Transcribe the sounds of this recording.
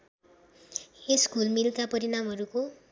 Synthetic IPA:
eskulmilkapʌɾinamɦʌɾuko

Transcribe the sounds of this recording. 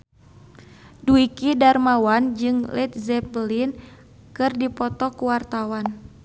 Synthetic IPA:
duikidarmawand͡ʒɨŋlɛt̪̚zɛplin | kɨrdipɔt̪ɔkuwart̪awan

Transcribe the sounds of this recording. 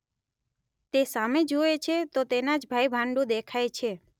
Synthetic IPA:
t̪esamed͡ʒoet͡ʃʰet̪ot̪enad͡ʒbʱaibʱãɳɖũd̪ekʰajt͡ʃʰe

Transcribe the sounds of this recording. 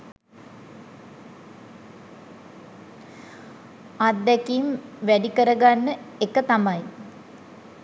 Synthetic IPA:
ad̪ːɛkiːmʋæɖikəɾəɡanːəekət̪amɐj

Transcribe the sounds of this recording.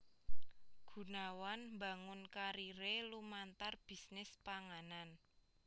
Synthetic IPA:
ɡ̥ṳnawanmbaŋʊnkaɾiɾelumant̪arb̥i̤snɪspaŋanan

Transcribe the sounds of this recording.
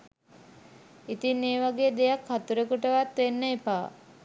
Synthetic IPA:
it̪inːeːʋaɡeːd̪ejakʰhat̪uɾekuʈəʋat̪ʋenːəipaː

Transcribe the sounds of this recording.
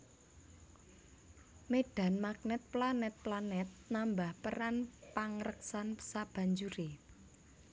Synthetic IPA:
meɖ̥a̤nmak̚nɛt̪̚planɛt̪̚planɛt̪̚nambahpəɾanpaŋɾəksansab̥ä̤ɲd͡ʒuɾe

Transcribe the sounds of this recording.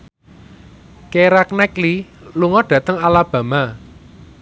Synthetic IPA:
keɾaknɛkliluŋɔɖ̥ä̤t̪əŋalab̥ä̤ma

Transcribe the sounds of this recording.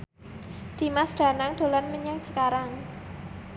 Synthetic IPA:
d̪̥imasɖ̪̥a̤naŋd̪̥o̤lanməɲaŋt͡ʃəkaɾaŋ

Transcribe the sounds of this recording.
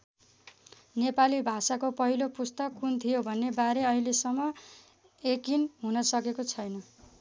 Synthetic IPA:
nepalibʱasakopʌɦilopust̪ʌkːunt̪ʰijobʱʌnːebaɾeʌɦilesʌmːʌ | ekinɦunʌsʌkekot͡sʰʌjnʌ

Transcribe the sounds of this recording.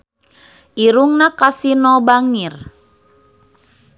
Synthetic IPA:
ʔiɾuŋnakasinɔbaŋir

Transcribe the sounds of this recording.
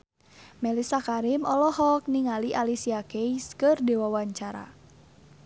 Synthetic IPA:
mɛlisakaɾimɔlɔhɔk̚niŋaliʔalisiakeiskɨrdewawaɲt͡ʃaɾa̰

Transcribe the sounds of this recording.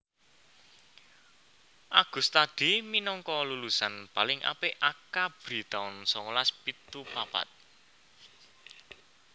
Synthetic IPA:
ʔaɡ̥ʊ̤st̪ad̪̥i̤minɔŋkɔlulusanpalɪŋʔa̰peʔakab̥ɾi̤t̪aʊnsɔŋulaspit̪upapa̰t̪̚

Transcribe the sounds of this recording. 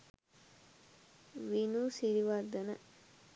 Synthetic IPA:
ʋinuːsiɾiʋad̪ənə

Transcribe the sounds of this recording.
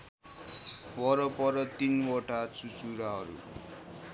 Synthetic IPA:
wʌɾʌpʌɾʌt̪inwʌʈat͡sut͡suɾaɦʌɾṵ

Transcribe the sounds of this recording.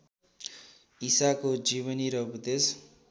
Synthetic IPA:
isakod͡ziβʌniɾʌbud̪es

